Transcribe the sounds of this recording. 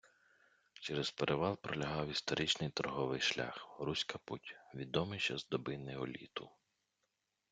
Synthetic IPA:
t͡ʃɛɾespeɾʔeʋɑlˠpɾɔlʲɐɦɑwist̪ɔɾʔɪt͡ʃnɪjt̪ɔɾɦɔʋɪjʃlʲa̰xrusʲkɐputʲʋʲid̪ɔmɪt͡ʃɐzd̪ɔbɪnɪɔlʲḭt̪ʊ

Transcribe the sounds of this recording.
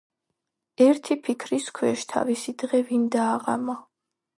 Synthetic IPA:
ɛɾt̪ʰipʰikʰɾiskʰwɛʃt̪ʰa̰visid̪ʁɛvind̪aːʁa̰ma

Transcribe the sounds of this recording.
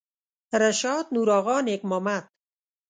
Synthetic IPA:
ɾaʃɑːd̪̚nuːɾɔːɣɑːnek̚mɔːmat̪̚

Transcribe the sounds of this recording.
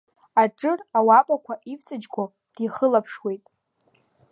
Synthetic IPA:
aʈ͡ʂʼɨrawapʼakʷʰaʔivt͡sʼɨd͡ʒɡʷo | d̥iχəlapʰʂwe̞jtʼ

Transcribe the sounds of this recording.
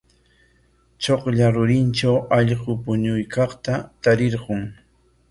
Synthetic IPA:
t͡ʃoqʎaɾʊɾɪnt͡ʃawɑʎɢʊpʊɲʊjkɑχt̪at̪aɾɪɾɢʊŋ

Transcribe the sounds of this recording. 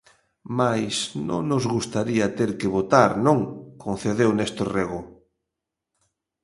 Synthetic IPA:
majsnõ̰ŋnʊzɣust̪aɾiɐt̪eɾkɪβot̪aɾnõŋkʰonθeðewnest̪oreɣʊ

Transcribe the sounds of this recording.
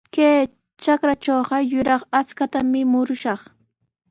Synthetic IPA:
keː | t͡ʃakɾat͡ʃoːɢɑjʊɾɑχat͡skat̪amɪmʊɾʊʃɑχ

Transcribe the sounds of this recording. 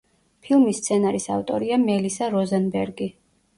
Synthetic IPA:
pʰilˠmist̪sʰɛnaɾisaft̪ʼɔ̰ɾiamɛlisaɾɔzanbɛɾɡi

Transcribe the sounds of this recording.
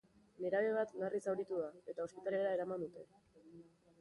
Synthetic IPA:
ne̞ɾaβe̞β̞at̪narʔisawɾit̪uðae̞t̪ao̞spit̪ale̞ɾae̞ɾamand̪ut̪e̞

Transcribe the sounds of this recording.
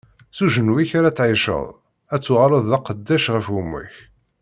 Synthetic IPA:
θuʒənwiçaɾæt͡sːʕɪʃə̰ðˤ | æt͡sːʊʁɾˤəðˤːɑqəd̪ːæʃʁəfumːʊ̰ç

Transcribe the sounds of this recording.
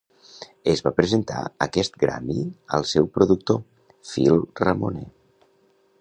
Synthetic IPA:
əzβapɾəzənt̪a̰əkɛst̪ɡɾa̰miəlˠsɛwpɾuðuk̚t̪o | filˠrəmonɛ

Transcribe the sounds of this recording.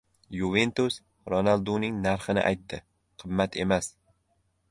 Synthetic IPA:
jovent̪os | ɾonalˠd̪unɪŋnaɾχɨnɪ̰ʔa̰jt̪ːɪ | qʰɨmːat̪ʰe̞mas

